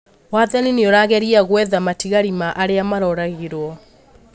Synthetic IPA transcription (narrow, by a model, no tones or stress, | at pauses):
waːðanineɔɾaɣɛɾiaɣwɛðamatiɣaɾimaʔaɾeamaɾɔɾaɣiɾwɔ